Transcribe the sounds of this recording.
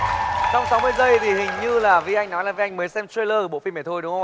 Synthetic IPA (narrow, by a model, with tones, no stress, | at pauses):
sɔ˧wŋ͡msa˨˦wmɨ˧əjzə˧˩jt̪ʰi˨˩ɦï˨˩ŋ̟ɲɨ˧laː˨˩vi˧˨ʔa˧jŋ̟nɔ˨˦jlaː˨˩vi˨˧ʔa˧jŋ̟məː˨˦jsɛ˧mt̪ɾe˧ləː˧˩ɓo̰˧˨fi˧mɛ˧˩t̪ʰo˧jɗʊ˨˦ŋə˧